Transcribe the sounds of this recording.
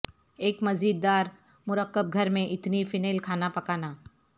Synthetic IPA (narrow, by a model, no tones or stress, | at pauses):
eːkmɐziːd̪ːaːɾ | mʊɾəqːəb̚ɡʱɐɾmẽʔɪt̪nifɪneːlkʰaːnapɐkaːnaː